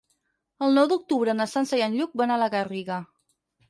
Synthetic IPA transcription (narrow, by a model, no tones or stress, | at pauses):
əlˠnɔwd̪uk̚t̪uβɾənəsansəjanʎuk̚banaləɣəriɣə